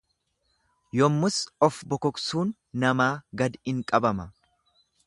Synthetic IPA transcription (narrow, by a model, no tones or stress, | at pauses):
jɔmːʊsɔfbɔkɔksuːnː | ɐmaːɡɐd̪ɪŋkʼɐbɐmɐ